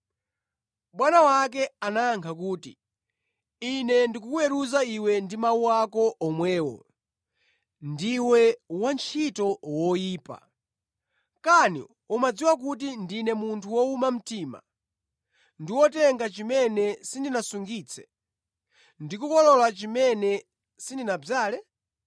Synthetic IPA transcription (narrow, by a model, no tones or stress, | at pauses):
ɓwanawak̬ɛanaːŋkʰak̬uːtḭ | inɛndikukuɛɾuzaiwɛndimauwakɔʔɔmwɛːwɔ̰ | ndiwɛwant͡ʃʰitɔwɔjiːpa̰ | kanḭ | umad͡ziwak̬ut̬indinɛmuntʰuwɔumam̩tiːma̰ | ndiwɔtɛŋɡat͡ʃimɛnɛsindinasuŋɡiːt͡sʰɛ̥ | ndikukɔlɔlat͡ʃimɛnɛ | sindinab͡ʐaːlɛ